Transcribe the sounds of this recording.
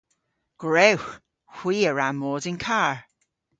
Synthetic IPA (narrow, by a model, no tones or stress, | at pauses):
ɡ̥ɹɛwx | hw̥iːəɹamɔːdɪnkʰaːɹ